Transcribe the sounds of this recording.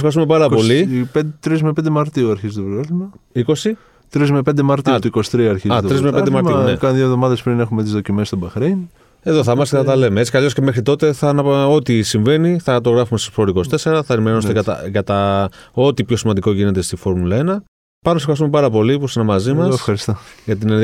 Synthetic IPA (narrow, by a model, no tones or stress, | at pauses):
efxɐɾis̬t̪umepɐɾɐpo̞lipt̪ɾizmepend̪emɐɾt̪iuɐɾçizt̪opɾlimɐiko̞si | t̪ɾizmepend̪emɐɾt̪ut̪uikosi̥t̪ɾiɐɐɾçizɐt̪ɾizmeped̪emɐɾiunekɐðjovðo̞mɐðespɾine̞xumet̪izðocimest̪obɐxɾin | e̞ðo̞θɐmɐskeθɐt̪ɐle̞meet͡si̥kɐlioscemexɾit̪o̞t̪e̞θɐnɐo̞t̪isiɱve̞niθɐt̪o̞ɣɾɐfumest̪osfo̞ɾiko̞st̪e̞se̞ɾɐθɐnimenost̪ekɐt̪ɐ̰kɐt̪ɐo̞t̪ipço̞simɐnd̪iko̞ʝine̞t̪e̞st̪ifo̞ɾmulɐe̞nɐ | pɐnsefxɐɾisumepɐɾɐpo̞lipusinɐmɐzimɐsefxɐɾist̪oʝɐt̪̬in